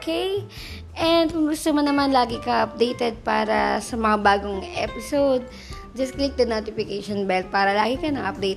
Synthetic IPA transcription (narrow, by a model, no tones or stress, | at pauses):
okej | ʔɛnd̪̚kʊŋɡʊst̪omɐnɐmanlaːɡɪkɐʔɐp̚d̪ejt̪ɛd̪̚paːɾɐ̰sɐmɐŋabaːɡoŋʔɛ̰ːpɪsowd̪̚ | d͡ʒɐsklɪk̚d̪ɐnoːt̪ɪfɪkejʃonbɛlt̪̚paːɾɐlaːɡɪkɐnɐŋʔɐp̚d̪ejt̪